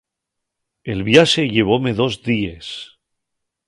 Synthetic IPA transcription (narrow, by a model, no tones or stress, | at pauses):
elβjaʃeʎe̞β̞o̞me̞ðo̞zðies